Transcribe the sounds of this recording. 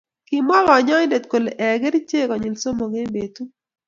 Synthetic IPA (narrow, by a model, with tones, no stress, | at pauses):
ki˨mɔ˦lɔ˨ɲɔ˦jdɛ˨t̪ko˨le˨ʔɛ˨ɡe˦ɾi˦t͡ʃe˦kɔ˨ɲɪ˨lso˦mo˨ŋe˦be˨t̪u˦